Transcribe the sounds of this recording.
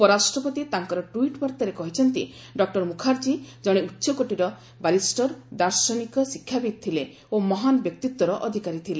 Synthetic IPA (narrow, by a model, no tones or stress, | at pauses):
pɔɾasʈɾɔpɔt̪it̪aŋkɔɾɔʈuiʈbaɾt̪ɔɾekɔɦit͡ʃʰɔnt̪ḭ | ɖɔk̚ʈɔɾmukʰaɾd͡ʒid͡ʒɔɽ̃eutːʃɔkoʈiɾɔ | balisʈɔɾd̪aɾsɔnikɔsikʰːjabid̪̚t̪ʰile | omɔɦanɔbjɔk̚t̪it̪wɔɾɔʔɔd̪ʱikaɾit̪ʰile